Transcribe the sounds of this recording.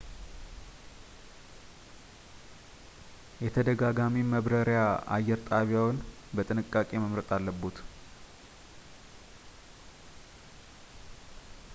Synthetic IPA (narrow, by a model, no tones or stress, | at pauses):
jɛt̪ʰəd̪əɡaɡamiməβɾəɾjaa̰jːɛɾt̪ʼaβjawn | bət̪ʼɨnɨkʼːakʼe̞məmɾət̪ʼalːəbːut̪